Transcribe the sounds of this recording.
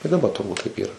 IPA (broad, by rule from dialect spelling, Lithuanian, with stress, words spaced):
ɪ dɐˈbɐ tʊrˈbuːt tɐɪp ˈiːrɐ